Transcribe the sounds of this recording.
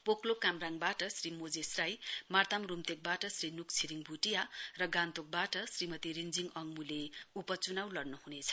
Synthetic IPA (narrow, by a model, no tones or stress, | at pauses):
poklokamraŋbaʈʌsrimod͡zesrajmart̪amrumt̪ek̚baʈʌsrinukt͡sʰiɾiŋbʱuʈijarʌɡant̪ok̚baʈʌsrimʌt̪iɾind͡ziŋʌŋmuleupʌt͡sunawlʌɽnuɦunet͡sʰʌ̥